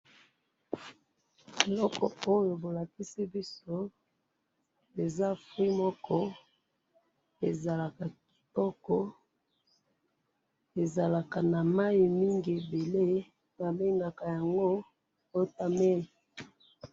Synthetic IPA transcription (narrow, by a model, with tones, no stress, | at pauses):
e˨lɔ˦kɔ̰˨o˦jo˨bo˨la˨ki˦si˦bi˦so˦ | e˨za˦fwi˦mɔ˦kɔ˦ | e˨za˨la˨ka˨ki̥˨tɔ˦kɔ˦ | e˨za˨la˨ka˨na˨ma˦i˨mi˦ŋɡi˨e˨be˨le˦ | ba˨be˦ŋɡa˨ka˨ja˨ŋɡo˦ | o˦ta˨me˦li˨